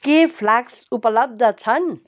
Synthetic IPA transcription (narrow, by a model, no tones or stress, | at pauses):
kepʰlaksupəlʌb̚d̪ʱʌt͡sʰʌn